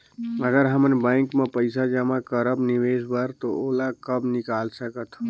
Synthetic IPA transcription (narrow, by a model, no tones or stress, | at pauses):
əɡəɾɦəmənbəɪŋkmẽpəɪsad͡ʒəmakəɾəbniʋesbəɾt̪ooːlakəbnɪkaːlsəkət̪ʰ